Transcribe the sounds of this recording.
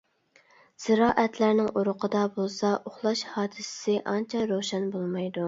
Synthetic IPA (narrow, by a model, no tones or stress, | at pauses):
z̥ɪɾɑːʔɛt̪læɾnɪŋʔuɾʊqʰəd̪ɑbolˠsɑʔoχlˠɑʃhɑːd̪ɨsɪ̥sɪʔɑnt͡ʃʰɑɾowʃɛnbolˠmɑjd̪u